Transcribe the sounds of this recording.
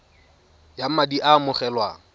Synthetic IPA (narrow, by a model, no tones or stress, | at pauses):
jamadiʔamʊχɛlwa